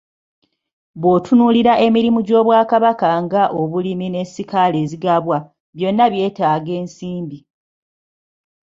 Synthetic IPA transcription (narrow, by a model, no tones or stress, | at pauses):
βwo̞ːtʰunuːliɾaʔe̞miɾimuɟo̞ːβwaːkaβakaŋɡaʔo̞βulimine̞sikale̞ːziɡaβwa | βjo̞nːaβje̞ːtaːɡe̞ːnsiːmbi